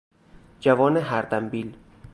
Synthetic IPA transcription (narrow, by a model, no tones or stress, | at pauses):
d͡ʒævɒːneɦæɾd̪æmbiːl